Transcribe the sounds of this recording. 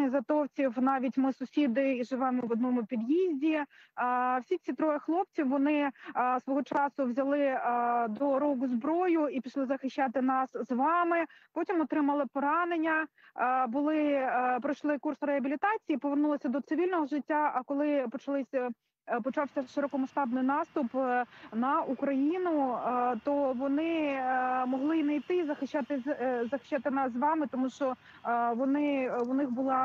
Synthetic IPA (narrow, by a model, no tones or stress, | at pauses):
ɪzɐt̪ɔwt͡sʲiwnɑʋʲitʲmɪsʊsʲid̪ɪiʒɪʋɛmɔʋɔd̪nɔmʊpʲid̪jizʲdʲi | wsʲit͡sʲit̪ɾɔjɐxlˠɔp̚t͡sʲiwːɔnɪsʋɔɦɔt͡ʃɑsʊwzʲɐlˠɪd̪ɔɾɔɡʊzbɾɔjʊipʲiʃlˠɪzɐxɪʃʲːat̪ɪnɑszʋɑmɪpɔtʲimɔt̪ɾɪmɐlˠɪpɔɾɑnenʲːɐ | bʊlˠɪpɾɔjʃlˠɪkursɾeɦɐbʲilʲit̪ɑt͡sʲijipɔʋernulˠɔsʲɐd̪ɔt̪sɪʋʲilʲnɔɦɔʒɪtʲːaɐkɔlˠɪpɔt͡ʃɐlˠɪsʲɐ | pɔt͡ʃɑwsʲɐʃɪɾɔkɔmɐʃt̪ɑbnɪjnɑst̪ʊpnɐukɾɐjinʊt̪ɔʋɔnɪ | mɔɦlˠɪinɐjt̪ɪizɐxɪʃːat̪ɪzɐxɪ̥ʃːat̪ɪnɑszʋɑmɪt̪ɔmuʃt͡ʃɔ | ʋɔnɪʊnɪxbʊlˠɑ